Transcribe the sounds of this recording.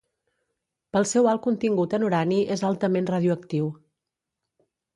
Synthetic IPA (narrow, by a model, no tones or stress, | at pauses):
pəlˠsɛwalˠkunt̪iŋɡut̪ənuɾaniʔezalˠt̪əmenrəð̞juəkt̪iw